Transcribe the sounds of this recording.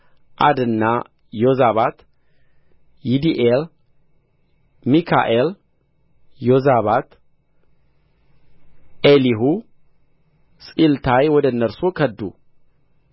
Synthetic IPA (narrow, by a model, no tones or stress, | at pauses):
ʔa̰d̪ɨnːa | jozaβat̪ | jid̪iʔel | mikʰa̰ʔel | jozaβat̪ | ʔeliɦu | sʼilt̪ʰajwɔd̪ənːəɾsukʰəd̪ːṵ